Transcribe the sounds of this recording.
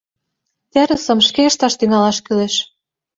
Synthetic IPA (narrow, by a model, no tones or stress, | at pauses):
t̪æɾɘ̆sɤ̆mʃkeəʃt̪ɑʃt̪yŋɑlɑʃkyleʃ